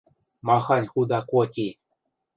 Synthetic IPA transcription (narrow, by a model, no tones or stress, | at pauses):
mɑxɑnʲxud̪ɑkotʲi